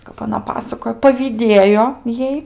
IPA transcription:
kɐp ɐˈnɐ ˈpɑːsɐkoːjoː pɐʋʲiːˈdʲeːjoː ˈjɛɪ

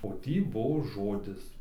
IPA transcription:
oː ˈtʲiː ˈbuɔ ˈʒoːdʲɪs

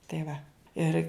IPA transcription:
tɐɪ ˈʋɐ ˈɪr

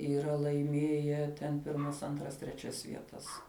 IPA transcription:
iːˈrɐ lˠɐɪˈmʲeːjɛ tʲɛn ˈpʲɪrmɐs ˈɐntrɐs tʲrʲɛˈt͡ʃʲɛs ʋʲiɛˈtɐs

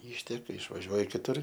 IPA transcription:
ˈiːʃʲtʲɛkɐ ɪʃʋɐˈʒʲuɔj kʲɪˈtʊr

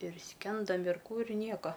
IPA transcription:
ɪr ˈsʲkʲɛndoːm ɪr ˈkuː ɪr ˈnʲiɛkɐ

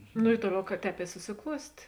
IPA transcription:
nʊ ɪ ˈtuɔˌlʲɛʊ kɐ ˈtʲɛːp ɪ sʊsʲɪˈklˠuɔsʲtʲeː

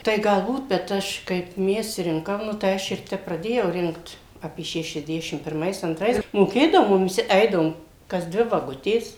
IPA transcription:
ˈtɐɪ ɡɐlˠˈbuːt bʲɛt ˈɐʃ kɐɪp ˈmʲɛs ˈrʲɪŋkɐm ˈnʊ tɐɪ ˈɐʃ ɪr ˈtʲɛp prɐˈdʲeːjɛʊ ˈrʲɪŋkt ˈɑːpʲiɛ ʃʲɛʃʲɛzʲˈdʲæːʃʲɪm pʲɪrˈmɐɪs ɐnˈtrɐɪs moːˈkʲeːdɐʋoː ˈmʊm ʋʲɪˈsʲɪ ˈɛɪdɐʋoːm kɐs ˈdʲʋʲɪ ʋɐˈɡʊtʲeːs

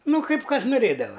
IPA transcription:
ˈnʊ ˈkɐɪp ˈkɐs nʊˈrʲeːdɐʋɐ

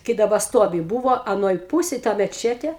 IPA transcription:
kɐɪ dɐˈbɐ ˈstuɔʋʲɪ ˈbuːʋoː ɐˈnoːj ˈpuːsʲeːj ˈtɐ mʲɛˈt͡ʃʲæːtʲeː

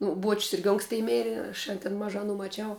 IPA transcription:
ˈnʊ ˈbuɔt͡ʃʲsʲ ˈɪrʲɡʲɪ ˈoːŋksʲtʲɪ ˈmʲeːrʲɪ ɐʃ ɐn tʲɪn ˈmɑːʒɑː ɐˈnuː mɐˈt͡ʃʲɛʊ

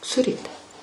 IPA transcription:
sʊˈrʲiːtʲɪ

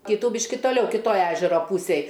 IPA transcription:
ˈkʲiːtuː ˈbʲiːʃʲkʲɪ toːˈlʲɛʊ kʲɪˈtoːj ˈæːʒʲɛroː ˈpuːsʲeːj

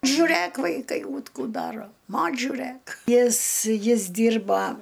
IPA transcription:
ʒʊˈrɘk ʋɐɪˈkɐɪ uːt ˈkuː ˈdɑːroː ˈmoːt͡ʃʲ ʒʲʊˈrɘk ˈjɪs ˈjɪs ˈdʲiːrbɐ

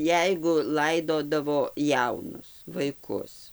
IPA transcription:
ˈjɛɪɡʊ ˈlˠɐɪdoːdɐʋoː ˈjɛʊnʊs ʋɐɪˈkʊs

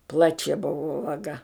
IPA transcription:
ˈplˠɑːt͡ʃʲɛ ˈbʊʋoː ʋɐˈɡɐ

